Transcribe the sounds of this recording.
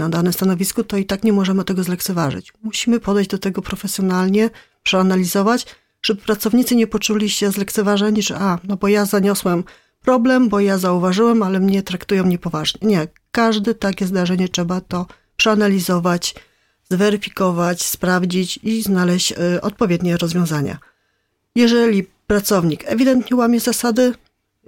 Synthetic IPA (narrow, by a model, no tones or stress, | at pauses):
nad̪anɛmst̪anɔvʲiskut̪ɔit̪akɲɛmɔʐɛmɘt̪ɛɡɔzlɛkt̪sɛvaʐɘ̰t͡ɕmuɕimɘpɔd̪ɛjʑd͡ʑd̪ɔt̪ɛɡɔpɾɔfɛsʲjɔnalɲɛ | pʂɛanalʲizɔvat͡ɕ | ʐ̥ɛbɘpɾat̪sɔvɲit̪sɘɲɛpɔt͡ʂulʲiɕɛzlɛk̚t̪sɛvaʐɛɲiʐɛ̰ʔanɔbɔjazaɲɔswɛm | pɾɔblɛmbɔjazauvaʐɘwɛmalɛmɲɛt̪ɾakt̪ujɔ̃mɲɛpɔvaʐɲɛɲɛ | kaʐd̪ɘt̪akʲɛzd̪aʐɛɲɛt͡ʂʂɛbat̪ɔ | pʂɛanalʲizɔvat͡ɕ | zvɛɾɘfʲikɔvat͡ɕspɾavd͡ʑit͡ɕiznalɛɕt͡ɕɔ̰t̪̚pɔvʲjɛd̪ɲɛɾɔzvʲjɔ̃w̃zaɲa̰ | jɛʐɛlʲipɾat̪sɔvɲikɛvʲid̪ɛnt̪ɲɛwamʲɛzasad̪ɘ